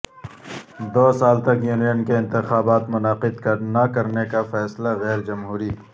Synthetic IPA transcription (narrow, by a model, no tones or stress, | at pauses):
d̪oːsaːlt̪ɐkjuːnijənkeɪ̃nt̪ɪxaːbaːt̪mʊnaːqɪd̪kɐɾnakɐɾnekafɛːslaɣɛːɾd͡ʒɐmɦuːɾiː